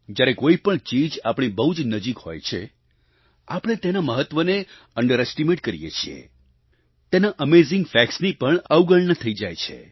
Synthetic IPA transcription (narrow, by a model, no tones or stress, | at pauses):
d͡ʒjaɾekoipəɳt͡ʃid͡ʒapɽ̃ibəɦud͡ʒnəd͡ʒikho̰jt͡ʃʰḛ | apəɽ̃et̪enaməɦət̪ʋəne | əɳɖəɾɛsʈimeʈkəɾḭjḛt͡ʃʰiḛ | t̪enaʔəmezɪ̃ŋɡfɛksnipəɳəwɡəɭɳət̪ʰəid͡ʒajt͡ʃʰḛ